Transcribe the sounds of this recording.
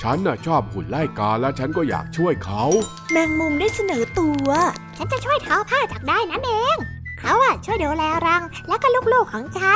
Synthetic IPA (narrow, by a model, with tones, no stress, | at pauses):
t͡ɕʰa˦˥nʔa˧˩t͡ɕʰɔː˥˩p̚kʰu˨˩nla˥˩jkaː˧lɛː˦˥wt͡ɕʰa˦˥nkɔː˥˩ja̰ː˨˩k̚t͡ɕʰu˥˩əjkʰa˦˥w | naː˧ŋmu˧ŋdaː˥˩jsa˧nɤː˩˦t̪u˧ɐt͡ɕʰa˦˥nt͡ɕa˨˩t͡ɕʰu˥˩əjt̪ʰa˦˥wpʰaː˥˩t͡ɕaː˨˩k̚daː˥˩jna˦˥nʔeː˧ŋkʰa˦˥wʔaː˧˨˩t͡ɕʰu˥˩əjdoː˧lɛː˧wɾa˧ŋlɛː˦˥wkaː˥˩lu˥˩k̚loː˥˩kʰːɔː˨˩˦ŋt͡ɕʰa˦˥n